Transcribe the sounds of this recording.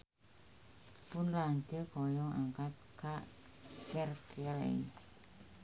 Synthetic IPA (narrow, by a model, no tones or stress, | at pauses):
pʊnlaɲd͡ʒəkɔjɔŋa̰ŋkat̪̚kaʔ | kɛrkʰɛɾḛi